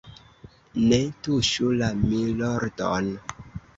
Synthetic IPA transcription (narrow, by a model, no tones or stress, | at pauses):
netuʃulamiloɾdon